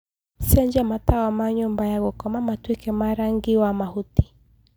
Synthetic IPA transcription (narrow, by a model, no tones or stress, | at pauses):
siaɲd͡ʒamatawamaɲumbajaɣɔkɔmamatwikɛmaɾaŋɡiwamahuti̥